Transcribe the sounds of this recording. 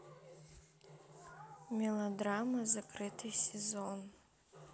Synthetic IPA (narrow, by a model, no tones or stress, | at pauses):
mʲelˠodramazakʰrɨtʰɨsʲezon